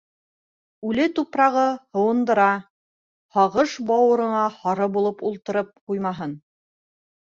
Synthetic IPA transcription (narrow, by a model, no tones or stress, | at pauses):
ʉlɘt̪upɾɑʁɤhɤ̆wɤ̆nd̪ɤ̆ɾɑ | hɑʁɤʃbɑwɤ̆ɾɤ̆ɴɑhɑɾɤbulˠɤpulˠt̪ɤ̆ɾɤp̚qujmɑɦɤn